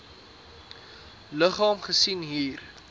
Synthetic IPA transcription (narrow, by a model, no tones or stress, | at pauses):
ləχɑːmχəsinɦiːr